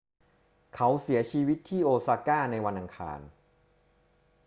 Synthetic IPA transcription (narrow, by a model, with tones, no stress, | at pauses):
kʰa˦˥wsi˩˦ɐt͡ɕʰiː˧wi˦˥t̪ʰːiː˥˩ʔoː˧saː˧kaː˥˩na˧jwa˧nʔa˧ŋkʰa̰ː˧n